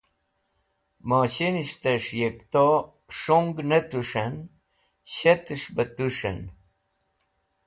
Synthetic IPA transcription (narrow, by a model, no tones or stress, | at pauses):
maɕiniʂt̪əʂjekt̪o | ʂoŋɡnət̪uʂən | ɕet̪əʂbət̪uʂə̰n